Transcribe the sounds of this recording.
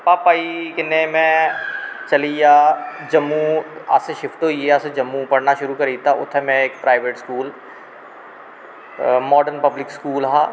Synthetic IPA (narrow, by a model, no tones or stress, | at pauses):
paːpaːikɪnːẽmɛ̃ | t͡ʃɐlijaːd͡ʒɐmːua̰ːseʃɪfʰʈ̪oieaːsed͡ʒɐmːupɐɽnaʃʊɾukɐɾiːt̪aʊ̰t̪ʰemɛ̃eːkpɾaːɪʋeːʈskuːl | mɔːɖəɾnpɐblɪkskuːlɦaː